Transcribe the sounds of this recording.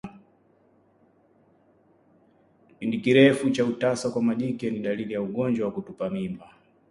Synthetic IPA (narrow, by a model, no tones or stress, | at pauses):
pindikiɾɛfut͡ʃautasakwamaʄikɛniɗalilijauɡɔnd͡ʒwawakutupamimba